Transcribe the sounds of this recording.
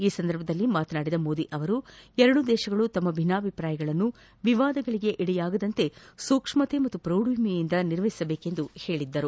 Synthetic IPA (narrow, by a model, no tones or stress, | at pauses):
iːsɐnd̪ɐɾbʱɐd̪ɐlːimaːt̪ɐnaːɽid̪ɐmo̞ːd̪iʔɐʋɐɾuɛɾɐɽud̪ɛːʃɐɡɐɭut̪ɐmːɐbʱinaːbʱipɾaːjɐɡɐɭɐnːu | ʋiʋaːd̪ɐɡɐɭiɡe̞ʔiɽɛjaːɡɐd̪ɐnt̪e̞suːkʂmɐt̪emɐt̪ːupɾɐwɽujmijind̪ɐniɾʋɐɦi̥sɐbeːke̞nd̪uhe̞ːɭid̪ːɐɾu